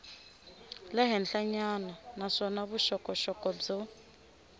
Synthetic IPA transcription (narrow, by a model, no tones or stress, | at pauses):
lɛɦɛnɬaɲananaʂɔnaβuʃɔkɔʃɔkɔb͡ʐɔ